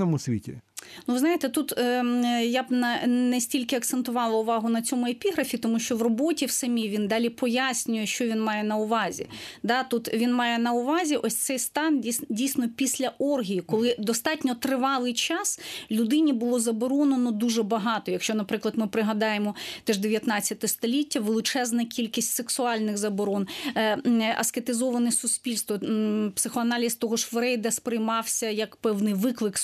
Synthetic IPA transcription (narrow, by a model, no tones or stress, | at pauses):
ɔmʊsʲʋʲḭtʲḭnuʋɪznajet̪ɛt̪ut̪ː | jabnɐnɛsʲtʲilʲkɪɐk̚t̪sent̪ʊʋɑlˠɐʊʋɑɦʊnɐt͡sʲɔmʊepʲiɦɾɐfʲit̪ɔmuʃt͡ʃɔʋrɔbɔtʲiwsɐmʲiʋʲind̪ɑlʲipɔjasʲnʲʊjɛʃt͡ʃɔʋʲinmɑjɛnɐʊʋɑzʲḭd̪ɑt̪ut̪ʋʲinmɑjɛnɐʊʋɑzʲiʔɔsʲt̪sɛjst̪ɑndʲidʲijsʲnɔpʲisʲlʲɐʔɔrɦʲijikɔlˠɪd̪ɔst̪ɑtʲnʲɔt̪ɾɪʋɑlˠɪjt͡ʃɑslʲʊd̪ɪnʲibʊlˠɔzɐbɔɾɔnɐnɔd̪uʒɛbɐɦɑt̪ɔjɐkʃt͡ʃɔnɐpɾɪklˠɐd̪mɪpɾɪɦɐd̪ɑjemɔt̪ɛʒd̪eʋʲjɐt̪nɑt͡sʲːɐt̪ɛst̪ɔlʲitʲːɐʋelˠɪt͡ʃɛznɐkʲilʲkʲisʲtʲseksʊɑlʲnɪxzɐbɔɾɔn | ɐ̰sket̪ɪzɔʋɐnɛsʊsʲpʲilʲst̪ʋɔpsɪxɔɐnɑlʲist̪ɔɦɔʃʋɾɛjd̪ɐspɾɪjmɑwsʲɐjɐkpɛwnɪjʋɪklˠɪk